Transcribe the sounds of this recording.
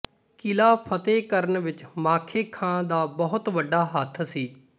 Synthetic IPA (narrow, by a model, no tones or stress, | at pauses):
kɪlaːpʰət̪eːkəɾənʋɪt͡ʃmaːkʰeːkʰãːd̪aːbəɦʊt̪ʋəɖːaːɦət̪ʰsiː